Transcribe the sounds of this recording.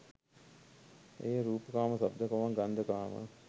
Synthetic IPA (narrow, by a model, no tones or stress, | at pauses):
eːɾuːpəkaːməsab̚d̪əkoʋaŋɡand̪əkaːmə̰